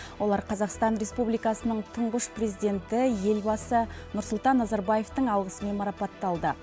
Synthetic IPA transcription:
wo̞lˠɑɾqʰɑzɑqst̪ɑnɾʲe̞spublijkɑsənəɴt̪ʰʊɴʁəʃprezid̪e̞nt̪ɪje̞lbɑsənʊɾsʊlˠt̪ɑnːɑzɑɾbɑje̞ft̪əɴɑlˠʁəsəme̞nmɑɾɑpɑt̪ːɑlˠd̪ə

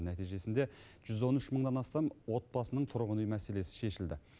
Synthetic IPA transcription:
næt̪ijʒe̞sɪnd̪e | ʒ̥ʏzwo̞nʏʃməɴd̪ɑnɑst̪ɑmwo̞t̪̚bɑsənəɴt̪ʰʊɾʁənujmæse̞le̞sɪ̥ʃe̞ʃɪld̪ɪ

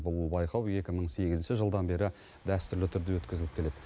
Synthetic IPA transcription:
bʊlˠbɑjqʰɑwe̞kʲɪməɴse̞ɡʲɪzɪnʃɪʒəlˠd̪ɑnbe̞ɾɪ | d̪æst̪ʏɾlɪt̪ʰʏɾd̪ewɵt̪kʲɪzɪlɪpkʰʲe̞le̞d̪̥ɪ

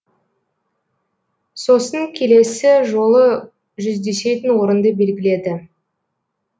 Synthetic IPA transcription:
so̞sənəŋkʲʰe̞le̞sɪʒo̞lˠə | ʒʏzd̪e̞se̞t̪ɪnwo̞ɾənd̪əbe̞lɡʲɪle̞d̪ɪ

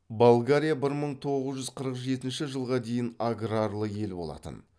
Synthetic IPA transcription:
bolˠɡaɾʲijabɪɾməɴt̪ʰo̞ʁəzʒʏzqʰəɾəqʒe̞t̪ɪnʃɪʒəlˠʁɑd̪e̞jɪnaɡɾarlˠəje̞lbolˠɑ̰t̪ə̰n

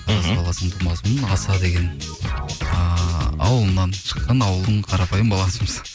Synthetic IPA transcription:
ɾɑzbɑlˠɑsəɴt̪ʰumɑzəmənɑsɑd̪eɡʲe̞n | ɑ̰wəlˠənːɑnʃə̥qːɑnɑwəlˠd̪əɴqʰɑɾɑpɑjəmbɑlˠɑsəməz̥

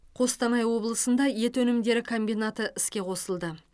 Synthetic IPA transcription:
qʰo̞st̪ɑnɑjwo̞blˠəsənd̪ɑje̞t̪wɵnɪmd̪e̞ɾɪkʰo̞mbijnat̪əʔɪskʲe̞qʰo̞səlˠd̪ə

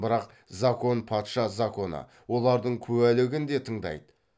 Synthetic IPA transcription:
bəɾɑq | zako̞npʰɑt̪ʃɑzako̞nə̰ | wo̞lˠɑɾd̪əɴkʲʰɵwælɪɡʲɪnd̪e̞t̪ʰəɴd̪ɑ̰jd̪ə

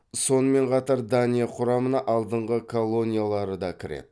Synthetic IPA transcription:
so̞nəme̞ɴqʰɑt̪ɑɾd̪anijeqʰʊɾɑmənɑʔɑlˠd̪əɴʁəkʰo̞lˠːo̞nʲijalˠɑɾəd̪ɑkʲʰɪɾḛd̪ɪ

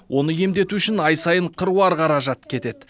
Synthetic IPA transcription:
wʔo̞nəje̞md̪e̞t̪uʏʃɪnɑjsɑjəɴqʰəɾuɑɾqʰɑɾɑʒɑt̪kʲʰe̞t̪e̞d̪

